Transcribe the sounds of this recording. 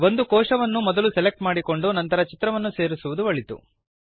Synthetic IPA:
ʋo̞nd̪ukɔːʂɐʋɐnːumɔd̪ɐlusɛlek̚ʈmaːɽiko̞ɳɖunɐnt̪ɐɾɐt͡ʃit̪ɾɐʋɐnːuse̞ːɾisuʋud̪uʋɐɭit̪ṵ

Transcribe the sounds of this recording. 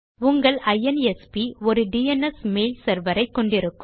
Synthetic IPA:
ʊŋɡɐɭɐjɛnɛspiɔɾɯɖiɛnɐsmeːlsɐɾʋɐɾɐɪkːɔɳɖɪɾɯkːɯ

